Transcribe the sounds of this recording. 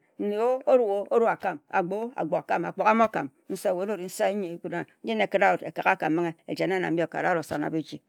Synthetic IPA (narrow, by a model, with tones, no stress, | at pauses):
n̩˦ne˨o˦o˦ɾu˨ɣo˦o˦ɾu˦a˨ka˦˨ma̰˨ɡ͡bo˦a̰˨ɡ͡bo˨ka˨ka˦ma˨k͡po˨ka˦m˦o˦ka̰˨m | n̩˦sa˦˨we˨˦no˦˨ɾi˨n̩˦sa˦ɲe˨˦ku˦da˦n̩˦d͡ʒe˦ne˨ki˦ɾa˦o˨te˨ka˨ka˦˨ka˨m̩˦mi˦ŋe˦e˨d͡ʒe˨n˦a˦na̰˨m̩˦i˦o˨ka̰˨ɾa˦o˨sa̰˨na̰˨bi˦d͡ʒi˦